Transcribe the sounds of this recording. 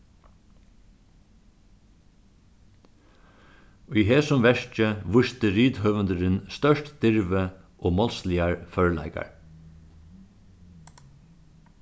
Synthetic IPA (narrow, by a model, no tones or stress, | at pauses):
ʏjɦeːsʊmʋɛʂt͡ʃəʋʊst̪əɾiːt̪hœʋənd̪əɾɪnst̪œʂtd̪̥ɪɹʋə | ʔoːmɔlslɪaɹfœɹlæ̰ɪka̰ɹ